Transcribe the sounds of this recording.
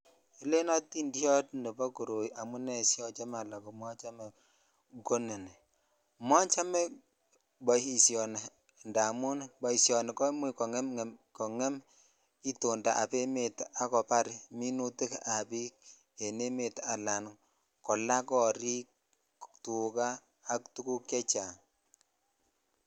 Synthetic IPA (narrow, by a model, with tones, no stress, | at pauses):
i˨le˦nɔ˦tːi˦ndi˦jɔ˦tne˨bɔ˦ku˨ɾo˨jʔa˨mu˦nɛ˨sjɔ˦t͡ʃe˦ma˨la˨ko˨mɔ˦t͡ʃa˦mɛ˨ | ɡo˦nɛ˨nɛ˨ | mɔ˦nt͡ʃa˦mɛ˦ | bɔ˨hi˨sjɔ˨n˨ | nda˨mu˦nbɔ˨i˨sjɔ˨ne˨kɔ˦mi˨kɔ˨ŋɛ˦mŋ˨mkɔ˨ŋɛ˦m | i˦to˨nda˨ʔa˨pe˦me˨ta˨kɔ˨pa˦ɾmi˦nu˦tɪ˦ka˨bi˦k̚ | ɛ˨ne˦me˨ta˨la˨n | kɔ˨la˦kɔ˨ɾi˦k̚ | tu˨kaː˦˨ | ktu˦ku˦kɛ˦t͡ʃa˨